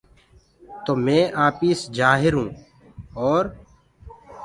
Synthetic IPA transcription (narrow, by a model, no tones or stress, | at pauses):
t̪oːmẽːʔaːpiːsd͡ʒaːɦɪɾɦũː | ɔːɾ